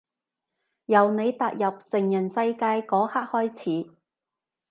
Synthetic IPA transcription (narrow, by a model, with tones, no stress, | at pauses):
jɐ˨˩wne˨˧jt̪aː˨k̚jɐ˨p̚sɪ˨˩ŋjɐ˨˩nsɐ˧jkaː˧jkɔː˨˥haː˥k̚hɔː˥jt͡sʰiː˨˥